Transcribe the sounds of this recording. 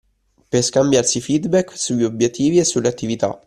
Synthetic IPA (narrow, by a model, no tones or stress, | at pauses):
peskambjarsifid̪bɛkːsuʎːiobjet̪ʰːiːviesːuleat̪ːivit̪a̰